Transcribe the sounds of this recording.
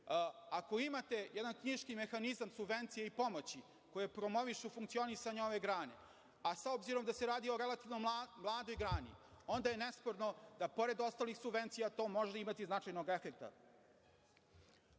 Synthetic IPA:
ako̞imat̪e̞jɛd̪ankɲiʃkime̞xanizamsubʋe̞nt̪sijeipo̞mo̞t͡ɕi | kojepɾo̞mo̞ʋiʂufuŋkt̪sionisaɲeo̞ʋe̞ɡɾaːne̞̰ | asaobziɾo̞md̪aseɾaːd̪io̞ɾe̞lat̪iʋnomlˠaːd̪o̞jɡɾaːnḭo̞nd̪aje̞ne̞spoɾno̞d̪apo̞ɾe̞d̪o̞st̪aːlixsubvʋe̞nt̪sijat̪o̞ːmo̞ʒd̪aimat̪iznat͡ʂajno̞ɡe̞fe̞k̚t̪a̰

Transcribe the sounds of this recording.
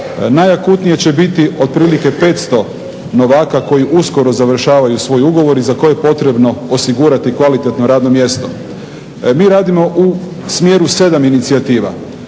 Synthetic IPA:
najakuːt̪nijet͡ɕe̞bit̪io̞d̪̚pɾiːlike̞pe̞ːt̪st̪o̞ | no̞ʋaːkako̞jiʔusko̞ɾo̞zaʋr̩ʃaːʋajusʋo̞ːjuɡo̞ʋo̞ɾizako̞eepo̞t̪ɾe̞bno̞osiɡuɾat̪ikʋalit̪e̞t̪no̞ɾaːd̪no̞mje̞st̪o̞̰ | miːɾaːd̪imo̞ʔu | smje̞ɾuse̞d̪aminit̪siat̪iːʋa̰

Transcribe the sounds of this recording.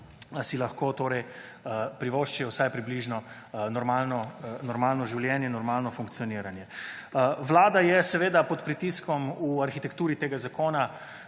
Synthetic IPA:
silaxkoːt̪oːɾɛj | pɾiʋoːʃt͡ʃiɛwsajpɾibliʒnɔ | nɔɾmaːlnɔnɔɾmaːlnɔʒiwljɛːnjɛinɔɾmaːlnɔfuŋk̚t̪sijɔniɾanjɛ | ʋlaːd̪ajɛsɛʋeːd̪apɔt̪pɾit̪iskɔmuaɾxit̪ɛkt̪uːɾit̪eːɡazakoːna

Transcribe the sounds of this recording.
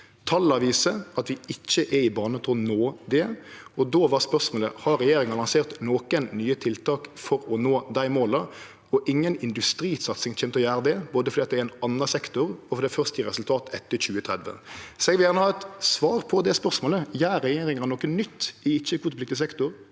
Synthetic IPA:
t̪ʰɑlːɑʋiːsəɑt̪ʋɪɪçːəʔɛɪbɑːnət̪ʰɔnoːd̪ɛɔd̪oːʋɑʁspœʁsmoːlə̰hɑɾɛjeːɾɪŋɑlɑŋseːʁt̪noːkənːyːət̪ʰɪlt̪ʰɑːkfɔɾɔnoːd̪æɪmoːlɑ | ɔʔɪŋːənɪnd̪ʉst̪ɾiːsɑt̪sɪŋc͡çʰɛːmt̪ɔjæːʁəd̪ɛboːd̪əfɔd̪iːt̪̚d̪ɛɛnɑnːɑsɛkt̪ʊɾɔfɔd̪æɪfœʁst̪əʁɛsʉlt̪ʰɑːt̪ɛt̪ːəçʉːət̪ʰʁɛd̪ʋə̰sɔɛɡʋɪljæʁnəhɑːɛt̪sʋɑːʁpʰɔd̪ɛspœʁsmoːləjæːɾːɛjeːɾɪŋəɑnɔːkənnʏt̪ːɪɪt͡ʃːəkʰuːt̪plɪkt̪ɪs̬ɛkt̪ʊɾ

